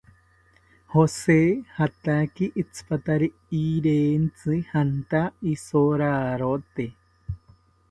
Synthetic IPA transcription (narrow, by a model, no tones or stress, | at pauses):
hosehat̪akiʔːt͡sʰɨ̥pat̪aɾi | iɾent͡sɨhant̪aisoɾaɾot̪e